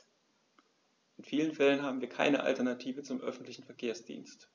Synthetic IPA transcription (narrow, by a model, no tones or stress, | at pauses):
ʔɪnfiːlənfɛlənɦaːbm̩viːɐkʰa̰ɪnəʔa̰ltɛɐnatʰiːvət͡sʊmʔœfn̩tlɪçn̩fɛɐkʰeːɐsd̥ḭːnst